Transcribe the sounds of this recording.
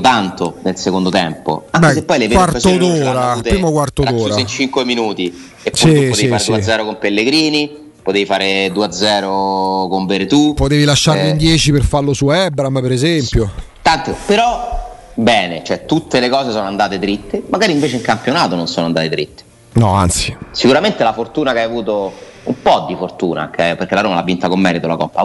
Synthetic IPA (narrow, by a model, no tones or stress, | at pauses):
t̪ant̪onelsekond̪ot̪ɛmpo̰aŋbkɛksepːɔjlevkwarst̪ːod̪oːɾat̪pɾiːmokwart̪od̪oːɾaeint͡ʃiŋkweminuːt̪i | epsuiupːot̪eiiɾɾdsuaːɛːɾokompelːeɡɾiːni | pot̪eifaːɾed̪uːad̪zːɛːɾokoɱveɾt̪upot̪eːvilaʃːarind̪jɛːt͡ʃiperfarlosuɛbɾampeɾezɛmpjo | t̪ant̪epeɾɔ | bɛːnet͡ʃoɛt̪ut̪ːelekɔːzesoːnoand̪aːt̪et̪ɾit̪ːemaɡaːɾiɱveːt͡ʃeiŋkampjonaːt̪ononsoːnoand̪aːt̪et̪ɾḭt̪ːe̥ | nɔa̰nt̪sisikuɾament̪elafort̪uːnakeajavuːt̪o | ṵmpɔd̪ːifort̪uːna̰ok̟ʰːɛjoperkelaɾoːmalavint̪akomːɛːɾit̪olakɔmpːa